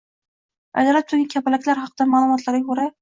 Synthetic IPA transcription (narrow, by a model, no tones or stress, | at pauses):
a̰jd̪ɑlat̪̚t̪ʰʊɾɡʲankʲʰæpalækʲlaɾχɑqʰɨd̪amaːlˠumɒt̪laɾɡʲakʰoɾa